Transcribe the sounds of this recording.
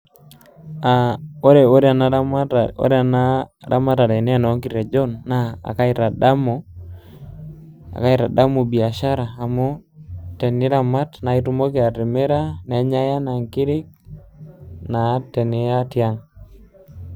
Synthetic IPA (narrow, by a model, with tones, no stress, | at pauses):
a˨o˦ɾe˨o˦ɾa˨na˦a˦mo̰˦ɾa˨na˦ɾa̰˦ma˦ta˨ɾe˨nɛ˦a˦˨nɔ˨˦ŋki˨ɾe˨d͡ʒɔ˦nːa˦a̰˨ka˦i˦ɾa˨da˦mo˦ | a̰˨ka˦i˦ɾa̰˨da˦mu˨bi˨a˨ʃa˦ɾaː˨mo˦te˨ni˦ɾa˨ma˦tna˨i˦tu˦mo˦ke˨a˨ɾi˨me˦ɾa˦ne˨˦ɲa˦ja˦na˨ŋki˦ɾi˦k̚ | na˨te˨ni˦a˦tja˦ŋ